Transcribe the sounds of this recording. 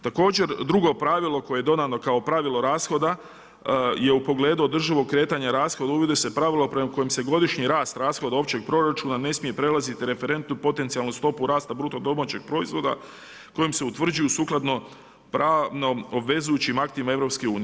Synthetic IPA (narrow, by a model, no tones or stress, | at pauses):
t̪ako̞ːd͡ʑe̞ɾd̪ɾuɡo̞pɾaʋilˠo̞ko̞jejed̪o̞d̪ano̞kao̞pɾaʋilˠo̞ɾaːsxo̞d̪a | je̞upo̞ɡle̞ːd̪uo̞d̪r̩ʒiʋo̞ɡ̚kːɾe̞ːt̪aɲaɾaːsxo̞d̪auʋid̪ese̞pɾaʋilˠo̞pɾe̞mako̞jimse̞ɡo̞d̪iʃɲiɾaːst̪ɾaːsxo̞d̪ao̞pt͡ɕe̞ɡ̚pɾo̞ɾat͡ʃunane̞smije̞pɾe̞lˠazit̪iɾe̞fe̞ɾe̞nt̪nupo̞t̪ent̪sialˠnust̪o̞puɾaːst̪abɾut̪od̪o̞mat͡ɕe̞ɡ̥̚pɾo̞izʋo̞d̪a̰ | ko̞jimseut̪ʋr̩d͡ʒujusuːklˠad̪no̞ | pɾaʋno̞obʋe̞zujut͡ɕimakt̪imae̞vɾo̞pskeuːni